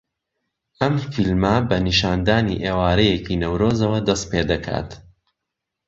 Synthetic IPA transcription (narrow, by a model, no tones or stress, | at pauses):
ʔɐmfilmɐbɐniʃaːnd̪aːniʔeːwaːɾɐjecinɐwɾoːzɐwɐd̪ɐst̪̚peːd̪ɐkʰa̰ːt̪